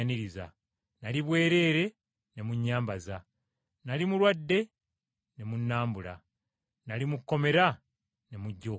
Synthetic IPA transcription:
niɾiza̰ | naliβwe̞ːɾe̞ːɾe̞ | ne̞muɲːaːmbaza | nalimulwadːe̞ | ne̞munːaːmbula̰ | nalimukːo̞me̞ɾa | ne̞muɟːo

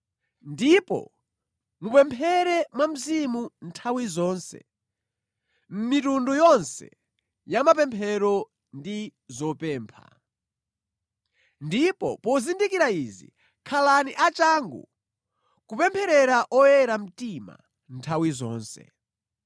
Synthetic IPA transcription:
ndipɔ̰ | mupɛmpʰɛɾɛmwam̩zimuntʰawizɔːnsɛ̰ | m̩mitundujɔnsɛ̰ | jamap̬ɛmpʰɛɾɔ | ndizɔpɛːmpʰa̰ | ndipɔ̰pɔzindikiɾaizḭ | kʰalaniʔat͡ʃaːŋɡṵ | kupɛmpʰɛɾɛɾaʔɔjɛɾam̩tima̰ | ntʰawizɔ̰ːnsɛ̰

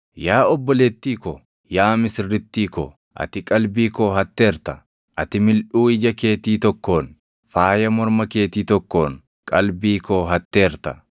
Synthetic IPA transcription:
jaːɔbːɔlet̪ːiːkɔ | jaːmɪsɾːɪt̪ːiːkɔ̰ | ʔɐ̰t̪ɪkʼɐlbiːkoɦɐt̪ːe̞ːɾt̪ɐ | ʔɐt̪ɪmɪlʔuːɪd͡ʒɐke̞ːt̪iːt̪ɔkːo̞ːn | faːjɐmɔɾmɐke̞ːt̪iːt̪ɔkːoːŋ | kʼɐlbiːkoːɦɐt̪ːe̞ːɾt̪ɐ

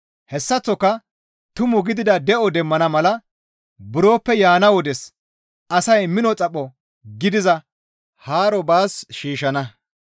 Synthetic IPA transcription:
hɛsːɐt͡sːɔkːɐ | t̪ʊmʊɡɪd̪ɪd̪ɐd̪ɛʔɔd̪ɛmːɐnɐmɐlɐ | bʊɾo̞ːpːɛjaːnɐwɔd̪ɛs | ʔɐsɐjmɪnɔt͡sʼɐpʼːɔ | ɡɪd̪ɪzɐ | haːɾɔbaːsʃiːʃɐnɐ

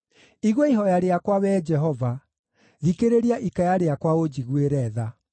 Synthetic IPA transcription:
iɣweiɦɔjaɾeakwaβɛd͡ʒɛɦɔva | ðikeɾeɾiaʔikajaɾeakwaod͡ʑiɣweɾɛːða

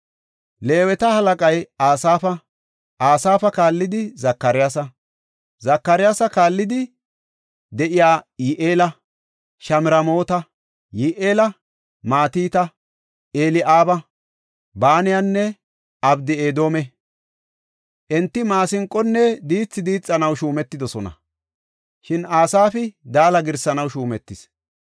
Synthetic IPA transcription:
le̞ːwɛt̪ɐhɐlɐkʼɐjaːsaːfɐ | ʔaːsaːfɐkaːlːɪd̪ɪzɐkːɐɾɪjaːsɐ | zɐkːɐɾɪjaːsɐkaːlːɪd̪ɪ | d̪ɛʔɪjaːjɪʔeːlɐ | ʃɐmɪɾɐmo̞ːt̪ɐ | jiʔeːlɐ | maːt̪iːt̪ɐ | ʔeːlɪʔaːbɐ | baːnɪjanːɛ | ɐbd̪ɪeːd̪o̞ːmɛ | ʔɛnt̪ːɪmaːsɪŋkʼːɔnːɛd̪iːt͡sːɪd̪iːt͡sʼːɐnɐwʃuːmɛt̪ːɪd̪ɔsɔnɐ̰ | ʃɪnaːsaːfɪd̪aːlɐɡɪɾsɐnɐwʃuːmɛt̪ːɪs

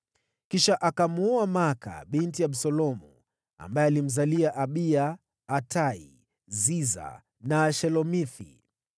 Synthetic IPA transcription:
kiʃaʔakamuuamaka̰ɓintiaɓsɔlɔmu | a̰mbaɛalim̩zaliaʔaɓiaː | tʰaḭ | ziza̰ | naʃɛlɔmiθḭ

